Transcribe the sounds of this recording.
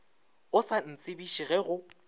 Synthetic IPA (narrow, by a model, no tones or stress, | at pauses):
ʊsan̩t͡sʼɪbiʃiɣɛɣʊ